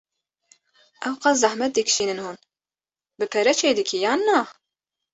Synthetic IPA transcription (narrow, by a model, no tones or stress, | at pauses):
ʔɛwqɑzɑhmɛt̪̚d̪ɨkʃiːnɨnhuːn | bɨpʰɛɾɛt͡ʃʰeːd̪ɨkʰijaːnːa